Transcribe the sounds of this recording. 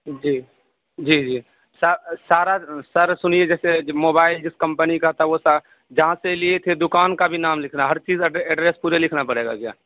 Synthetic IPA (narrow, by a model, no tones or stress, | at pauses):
d͡ʒiː | d͡ʒiːd͡ʒiː | səsaːɾasəɾsʊnied͡ʒɛːsemoːbaːɪld͡ʒɪskə̃mpənikat̪aʋosa | d͡ʒɐɦãseliet̪ʰed̪ʊkaːnkabʱinaːmlɪkʰnaɦɐɾt͡ʃiːzɛːɖɾeːspuːɾelɪkʰnapəɽeːɡa̰kja̰ː